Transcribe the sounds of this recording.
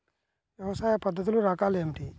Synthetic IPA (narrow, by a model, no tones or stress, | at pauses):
ʋjɛʋɐsaːjɐpɐd̪ːɐt̪uluɾaːkaːleːmiʈi